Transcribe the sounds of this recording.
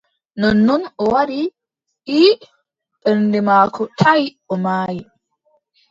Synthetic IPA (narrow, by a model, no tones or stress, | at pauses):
nɔnːunɔwaɾi | ʔi | ɓɛɾndɛmaːkʰɔtʰaj | ɔmaːji